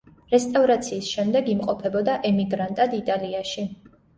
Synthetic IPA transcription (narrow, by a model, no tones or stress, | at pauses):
ɾɛst̪ʼavɾat̪sʰiːsʃɛmd̪ɛɡimqʼɔpʰɛbɔd̪aʔɛmiɡɾant̪ʼad̪it̪ʼaliaʃi